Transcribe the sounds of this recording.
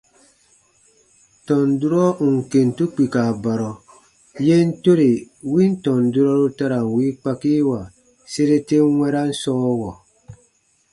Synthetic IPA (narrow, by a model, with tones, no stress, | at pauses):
tɔ˨n˨du˦ɾɔ˦u˨ŋ˨ke˨n˨tu˦k͡pi˨ka˨ba˨ɾɔ˨ | je˦n̩˦to˦ɾe˨wi˦n˦tɔ̃˨n˨du˦ɾɔ˦ɾu˦ta˦ɾa˨n˨wi˦k͡pa˦ki˦wa˨ | se˦ɾe˦te˦wɛ˦ɾa˦n̩˦sɔː˦wɔ˨